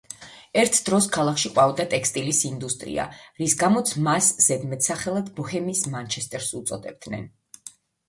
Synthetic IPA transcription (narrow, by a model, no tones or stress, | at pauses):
ɛɾt̪ʰd̪̥ɾɔskʰalˠakʰʃiqʼwavd̪at̪ʼɛkst̪ʼilisind̪ust̪ʼɾḭa̰ɾisɡamɔt̪sʰmasz̥ɛd̪mɛt̪ʰsaχɛlˠad̪bɔhɛmiːsmant͡ʃʰɛst̪ʼɛɾsut̪sʼɔd̪ɛb̚d̪̥nɛ̰n